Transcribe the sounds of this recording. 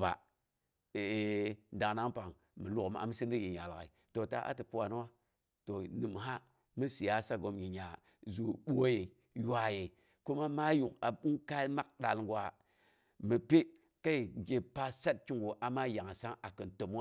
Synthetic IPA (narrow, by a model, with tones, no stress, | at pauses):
ba̰˨ | e˨da˨na˦ŋpa˨ŋ | mɨ˨lu˨km˦a̰˨m˦si˦ndi˦ji˨ɲa˨la̰˨i˨to˨ta̰˦ʔa̰˦tɨ˨pu˦wa˨n˦wa˦ | to˨nɨ˨mɦa˦ | mɨ˦si˨ja˦sa˦ɡo˨mji˨ɲa˨ | zu˨ɓo˦je˨ | ja˦je˨ | ko˦ma˦ma˦ju˨ka˨ɓu˦ŋka˦ma˦k̚ɗa˨lŋɡwa˨ | mə˨pe˦ | ka˦i˨ɡe˨pa˦sa˦t̚t͡ʃi˦ŋɡu˨ʔa˨ma˦ja˨ŋ˨sa˦ŋa˨kɨ˨nto˨m˦a˦